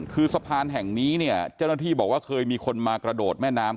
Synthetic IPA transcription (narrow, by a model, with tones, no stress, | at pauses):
kʰɯː˧sa˧pʰaː˧nɦɛ˨˩ŋniː˦˥ni˥˩ɐt͡ɕaː˥˩wnaː˥˩iː˥˩bɔː˨˩k̚waː˥˩kʰɤː˧jmiː˧kʰo˧nmaː˧kɾa˧doː˨˩t̪̚mɛː˥˩naː˦˥m